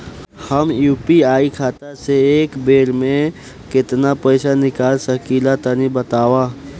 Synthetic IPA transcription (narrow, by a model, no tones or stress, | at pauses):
həmjuːpiaːikʰaːt̪aseːkbeːɾmẽ | kɪt̪napɛːɪsanɪkaːlsəkiːlat̪ənibət̪aːwaː